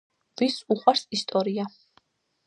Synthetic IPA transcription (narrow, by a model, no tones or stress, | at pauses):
visuχwaɾsist̪ʼɔɾia